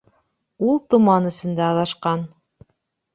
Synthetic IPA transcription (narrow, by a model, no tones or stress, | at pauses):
ulˠt̪ŭmɑnɘ̆sɘ̆nd̪æɑðɑʃqɑn